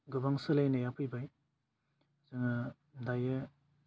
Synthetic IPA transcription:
ɡɯbaŋsɯlajnajapʰɯjbaj | zɯŋa | daje

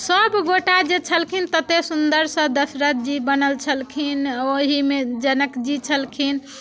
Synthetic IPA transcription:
səbɡoʈad͡ʒet͡ʃʰəlkʰint̪ət̪esund̪əɾsə̃d̪əsɾət̪̚d͡ʒibənəlt͡ʃʰəlkʰinoɦimed͡ʒənəkd͡ʒit͡ʃʰəlkʰin

